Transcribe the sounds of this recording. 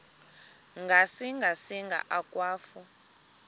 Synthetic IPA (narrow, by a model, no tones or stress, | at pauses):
ŋɡʱasiŋɡʱasiŋɡʱa̰ʔakʼwaːfu